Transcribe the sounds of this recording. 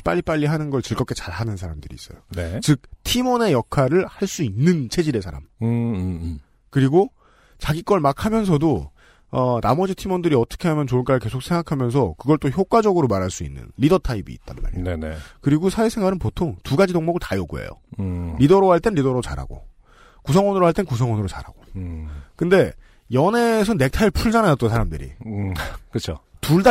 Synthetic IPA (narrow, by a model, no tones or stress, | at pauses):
p͈a̰ʎːip͈aʎːiɦanɯnɡʌɭt͡ɕɯɭɡʌk͈e̞t͡ɕaɭɦanɯnsʰaɾamdɯɾḭis͈ʌjonet͡ɕɯk̚tʰimʌne̞jʌkʰaɾɯɭhaɭs͈uinːɯnt͡ɕʰe̞d͡ʑiɾe̞sʰaɾa̰m | kɯɾiɡo | t͡ɕaɡik͈ʌɭmakʰamjʌns̬ʰʌdo | ʌnamʌd͡ʑitʰimʌndɯɾiʌt͈ʌ̥kʰe̞ɦamjʌnt͡ɕoɭk͈aɯɭke̞sʰok̚s͈ʰe̞ŋɡakʰamjʌns̬ʰʌkɯɡʌɭt͈oçjok͈wad͡ʑʌɡɯɾomaɾaɭs͈uḭnːɯ̰nɾidʌtʰaibḭːt̚t͈anma̰ɭnenekɯɾiɡosʰaesʰe̞ŋɡaɾɯnpotʰoŋtuɡad͡ʑidoŋmʌɡɯɭtajoɡo̰ḛjo̰ɾidʌɾoɦaɭt͈enɾidʌɾot͡ɕa̰ɾa̰ɡo̰ | kus̬ʰʌŋwʌnɯɾoɦaɭt͈enkus̬ʰʌŋwʌnɯɾot͡ɕa̰ɾa̰ɡ̥o | kɯnde̞ | jʌne̞s̬ʰʌne̞k̚tʰaiɭpʰuɭd͡ʑanaat͈onsʰaɾamdɯɾḭ | kɯt͡ɕʰotuɭda